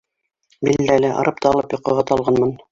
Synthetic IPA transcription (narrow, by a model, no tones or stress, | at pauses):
bild̪ælɘʔɑ̰ɾɤp̚t̪ɑɑlˠɤpjŏqɤ̆ʁɑt̪ʰɑlˠʁɑnmɤn